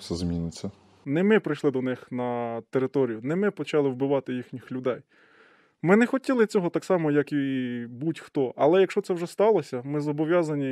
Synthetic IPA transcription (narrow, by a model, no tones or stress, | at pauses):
sɛzmʲinɪt͡sʲːɐ | nɛmɪpɾɪjʃlˠɪd̪ɔnɪxnɐt̪eɾɪt̪ɔɾʲijʊnɛmɪpɔt͡ʃɑlˠɪwbɪʋɑt̪ɪjixnʲixlʲʊd̪ɛj | mɪnɛxɔtʲilˠɪt͡sʲɔɦɔt̪ɑksɑmɔjɐkibutʲxt̪ɔʔɐlˠɛjɐkʃt͡ʃɔt̪ɛwʒɛst̪ɑlˠɔsʲɐmɪzɔbɔʋʲjɑzɐnʲi